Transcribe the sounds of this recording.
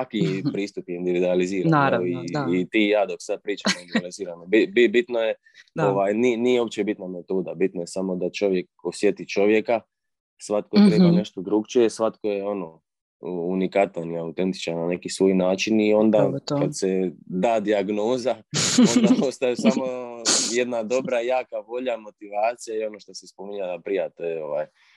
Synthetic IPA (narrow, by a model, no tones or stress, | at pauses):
sakipɾiːst̪upjeind̪iʋid̪ualiziːɾaniːt̪iːjaːd̪oksad̪̚pɾiːt͡ʃamoind̪uializiːɾanobibibit̪noje | oʋaːjniniːjeo̞pt͡ʃebit̪namet̪uːd̪abit̪nojesamo̞d̪at͡ʃo̞ʋje̞k̚osjet̪it͡ʃo̞ʋje̞ka | sʋat̪̚kojpɾemane̞ʃt̪od̪ɾuɡt͡ʃiesʋat̪ko̞jeono̞ | unikat̪aniaut̪e̞nt̪i̥t͡ʃaɾnane̞kisʋo̞jnaːt͡ʃinio̞nd̪akad̪sed̪aːd̪iaɡnoːzaod̪apost̪ajesamo̞jed̪nad̪o̞bɾajaːkaʋo̞ʎamo̞t̪iʋaːt̪sijaio̞no̞ʃt̪osespomiɲalapɾijat̪oo̞ʋa̰ːj